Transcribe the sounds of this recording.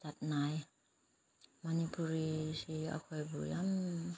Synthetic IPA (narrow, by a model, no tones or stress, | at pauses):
tat̪̚naj | manipuɾisia̰kʰojbṵjam